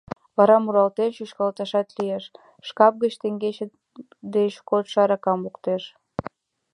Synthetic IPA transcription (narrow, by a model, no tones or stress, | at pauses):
βɑɾɑmuɾɑlt̪enʃyʃkɑlt̪ɑʃɑt̪lijeʃ | ʃkɑp̚ɣət͡ɕt̪eŋɡet͡ɕe | d̪eʃkot̪ʃɑɾɑkɑmukt̪eʃ